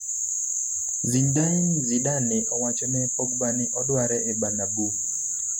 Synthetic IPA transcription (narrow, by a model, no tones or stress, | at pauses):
zindainziɗanɪʔɔwat͡ʃɔnɛpɔɡbaniʔɔdwaɾɛʔebanabu